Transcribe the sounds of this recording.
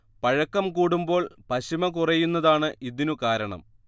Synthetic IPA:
pɐɻɐkːɐmkuːɽumbo̞ːɭpɐɕimɐkurɐjːunːɐðaːɳɨʔiðinukaːɾɐɳɐ̰m

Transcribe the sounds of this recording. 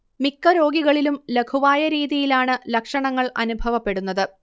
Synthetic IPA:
mikːɐɾo̞ːɡiɣɐɭilumle̞ɡʰuʋaːjɐɾiːðijilaːɳɨlɐkʂɐɳɐŋːɐɭɐ̰nubʱɐʋɐpːe̞ɽunːɐðɨ

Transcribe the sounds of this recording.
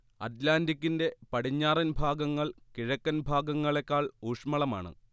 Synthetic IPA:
ɐ̰t̪laːndikʲːinde̞pɐɽiɲːaːrɐnbʱaːɡɐŋːɐɭkiɻɐkːɐnbʱaːɡɐŋːɐɭekːaːɭuːʂmɐɭɐma̰ːɳɨ̰

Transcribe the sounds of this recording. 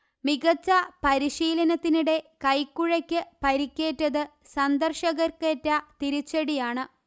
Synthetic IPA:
miɣɐt͡ɕːɐpɐɾiɕiːlɐnɐt̪ːiniɽe̞kɐjkːuɻɐkʲːɨpɐɾikʲːe̞ːtːɐðɨ | sɐnd̪ɐrʂɐɣɐrketːɐt̪iɾit͡ɕːɐɽijaːɳɨ

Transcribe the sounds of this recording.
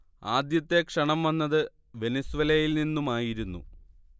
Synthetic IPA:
aːd̪jɐt̪ːe̞kʂɐɳɐmʋɐnːɐðɨ | ʋe̞nɐsuʋɐlɐjilninːumaːjiɾunːu

